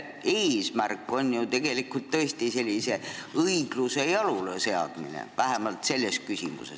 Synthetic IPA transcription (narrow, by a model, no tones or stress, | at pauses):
eːsmærkːˑo̞njut̪e̞ɡ̥e̞likːult̪ːɤ̞est̪ise̞lʲːise̞ɤiɡ̥luse̞jɑlulese̞ɑ̰d̪̥minḛvæɦe̞mɑlt̪se̞lʲːe̞s̚kysḭmṵsḛs